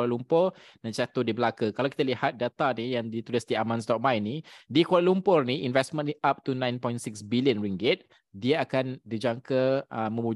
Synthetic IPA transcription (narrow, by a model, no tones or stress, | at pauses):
lalumpʊr | dansat̪odibəlakakalawki̥t̪alihat̪̚dat̪anijaŋdit̪ulɪsdiamãnstɔʔ̚mãjnidikaɾalumpʊrniʔinvɛsmə̃niʔap̚t̪unãjnpɔjnsɪksbiliənɹiŋɡɪt̪̚ | diəakandid͡ʒaŋkəəmə̃mu